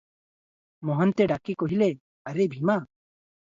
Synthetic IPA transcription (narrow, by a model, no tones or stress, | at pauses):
mɔɦənt̪eɖakikoɦile | ɐɾebʱima